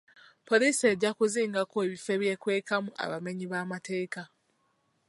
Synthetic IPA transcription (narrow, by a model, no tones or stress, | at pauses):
po̞liːse̞ɟːakuziːŋɡakoeβife̞βje̞ːkwe̞ːkamuʔa̰βame̞ɲiβaːmate̞ːka